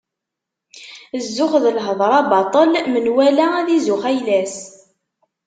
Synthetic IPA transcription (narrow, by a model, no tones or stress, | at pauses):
zːʊχðəlɦəðˤɾˤɑbɑt̪ˤəlmənwælææðizʊχæjlæs